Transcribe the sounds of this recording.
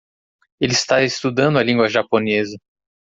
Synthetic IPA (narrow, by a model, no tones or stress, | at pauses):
elɪst̪aɪst̪ud̪ɐ̃nd̪ʊɐlĩŋɡwɐʒaponezɐ